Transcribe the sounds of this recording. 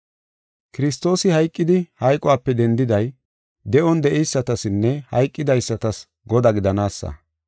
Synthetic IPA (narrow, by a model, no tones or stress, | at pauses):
kɪɾɪst̪o̞ːsɪhɐjkʼːɪd̪ɪhɐjkʼʊwaːpːɛd̪ɛnd̪ɪd̪ɐj | d̪ɛʔɔnd̪ɛʔɛjsːɐt̪ɐsɪnːɛhɐ̰jkʼːɪd̪ɐjsːɐt̪ɐs | ɡɔd̪ɐɡɪd̪ɐnaːsːɐ̰